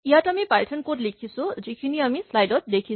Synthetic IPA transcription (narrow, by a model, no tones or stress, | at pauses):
jɦat̪ʌmipalʈʰʌnkoʈlikʰisʰod͡zikʰiniʌmislajɖʌt̚d̪ekʰi